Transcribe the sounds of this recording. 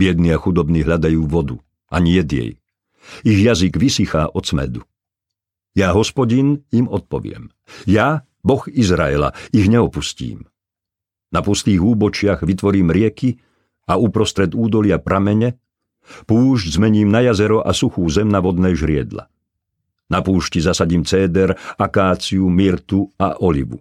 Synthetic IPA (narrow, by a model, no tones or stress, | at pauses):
bɪɛd̪niaxud̪ɔbniɦʎad̪ajuːʋɔd̪u | aɲijɛd̪jɛ̰j | iɣjaziɡʋisixaːʔɔt͡smɛ̰d̪u | jaːɦɔspɔɟinimɔt̪̚pɔʋɪɛ̰m | ja | bɔxizɾaɛla̰iɣɲɛɔpuscḭːm | napust̪iːɣuːbɔt͡ʃɪaɣʋit̪ʋɔɾiːmɾɪɛki | aupɾɔst̪ɾɛd̪uːd̪ɔlɪapɾʔamɛɲɛ | puːʒɟzmɛɲiːmnajazɛɾɔʔasuxuːzɛmnaʋɔd̪nɛːʒɾɪɛd̪la̰ | napuːʃcizasaɟiːmt͡sɛːd̪ɛɾakaːt͡siumiɾt̪uaʔɔlḭʋṵ